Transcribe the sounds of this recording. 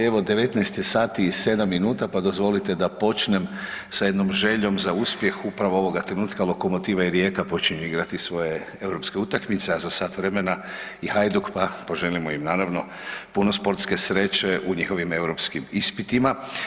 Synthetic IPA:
eʋod̪e̞ʋe̞t̪nɛest̪isaːt̪ise̞d̪amːinuːt̪apad̪o̞zʋo̞lit̪e̞d̪apo̞t͡ʃnemsaje̞d̪nomʒe̞ʎo̞mzauspje̞xupɾaʋoo̞ʋo̞ɡat̪ɾe̞nuːt̪kalˠo̞ko̞mo̞t̪iːʋaiɾje̞kapo̞t͡ʃiɲuiɡɾat̪isʋo̞je̞ | e̞wɾo̞pske̞ut̪akmit̪seazasaːt̪ʋɾemena | ihajd̪ukpapo̞ʒe̞limoimnaːɾaʋno̞ | puno̞spo̞ɾt̪ske̞sɾe̞t͡ɕe̞ʔuɲixo̞ʋime̞wɾo̞pskimispit̪ima

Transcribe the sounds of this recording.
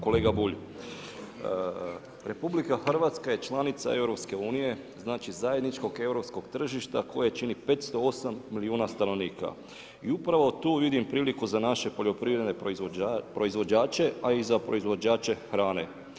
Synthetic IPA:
ko̞leːɡabuʎ | ɾe̞publikaxr̩ʋat̪skaje̞t͡ʃlˠanit̪sa̰e̞ʋɾo̞pske̞uːnije̞znaːt͡ʃizajed̪nit͡ʃko̞ɡe̞ʋɾo̞psko̞ɡt̪r̩ʒiʃt̪akʰo̞jet͡ʃinipe̞t̪st̪o̞o̞samːiliuːnast̪ano̞ʋniːka̰ | iupɾaʋo̞t̪uːʋid̪impɾiːlikuzanaʃe̞po̞ʎo̞pɾiːʋɾed̪ne | pɾo̞izʋo̞d͡ʒaːt͡ʃe̞aizapɾo̞izʋo̞d͡ʒaːt͡ʃe̞xɾaːne̞̰

